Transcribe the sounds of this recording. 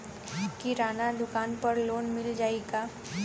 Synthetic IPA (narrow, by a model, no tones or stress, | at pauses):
kiɾaːnad̪ʊkaːnpɐɾloːnmɪld͡ʒaːeɡaː